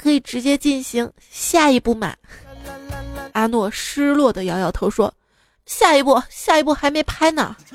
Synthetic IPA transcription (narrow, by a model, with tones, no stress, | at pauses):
kʰɤ˧˥i˨˩ʈ͡ʂɻ̩˧˥t͡ɕjɛ˥t͡ɕi˥˩nɕi˧˥ŋ | ɕja˥˩i˧˥pu˥˩ma̰˨˩˦ | a˧˥nwɔ˥˩ʂɻ̩˥lwɔ˥˩d̪ə˩jɑ˧˥ʊjɑ˨˩ʊt̪ʰo˧˥ʊʂwɔ˥ | ɕja˥˩i˧˥pu˥˩ɕja˥˧i˧˥p̬u˥˩xa˧˥ɪme˧˥ɪpʰa˥ɪnə̰˨˩